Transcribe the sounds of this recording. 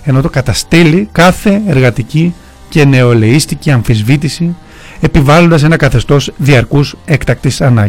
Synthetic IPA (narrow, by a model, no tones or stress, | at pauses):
e̞no̞t̪okɐt̪ɐst̪elikɐθe̞eɾɣɐt̪ici | ce̞ne̞o̞le̞ist̪iciɐɱfizvit̪isi | e̞pivɐlond̪ɐs̬e̞nɐkɐθe̞st̪o̞sðiɐɾkuse̞kt̪ɐk̚t̪isɐnɐ